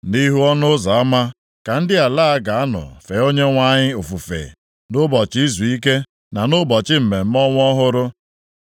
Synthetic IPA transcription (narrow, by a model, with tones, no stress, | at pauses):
ni˦ɦu˦ɔ˦nʊ˦za˨a˦ma˦ | ka˨n̩˦dɪ˦a˨la˦a˦ɡa˨a˦nʊ̰˨fe˨˦o˦ɲe˦ŋʷa˦ɲɪ˦o˨fu˨fḛ˨ | nʊ˦bɔ˨t͡ʃɪ˦i˦zu˨i˦ke˦ | na˨nʊ˦bɔ˨t͡ʃɪ˦m̩˨me˨m̩˦mɔ˦ŋʷ˦ɔ˦ɦʊ˦ɾʊ˦